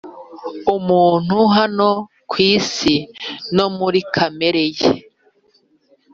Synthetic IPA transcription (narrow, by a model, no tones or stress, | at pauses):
umuːn̥huɦano̞ | kwiːsino̞muɾikʰame̞ɾejḛ